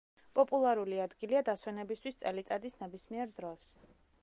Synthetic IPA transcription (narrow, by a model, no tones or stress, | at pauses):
pʼɔpʼulˠaɾuliad̪ɡiliad̪aswɛnɛbist̪ʰwist̪sʼɛlit̪sʼad̪isnɛbismiɛɾd̪ɾɔs